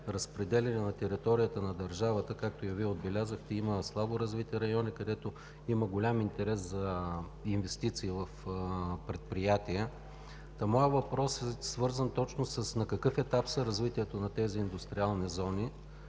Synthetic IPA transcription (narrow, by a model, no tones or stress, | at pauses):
ɾɐspɾɛd̪ɛlʲɛnɛnɐt̪ɛɾit̪ɔɾijət̪ənɐd̪ɐɾʒavət̪əkak̚t̪ojɐviɛod̪̚bɛlʲazəxt̪ɛiməslˠaboɾɐzvit̪ɛɾɐjɔnikɐd̪ɛt̪o | iməɡolʲamint̪ɛɾɛszɐ | invɛst̪it̪siːvɐfpɾɛt̪̚pɾijat̪iə | t̪ɐmɔjəvɐpɾɔsɛsvɤɾzənt̪ɔt͡ʃnosɐsnɐkɐkɤfɛt̪apsəɾɐzvit̪iɛt̪onɐt̪ɛziːnd̪ʊst̪ɾialˠnizɔni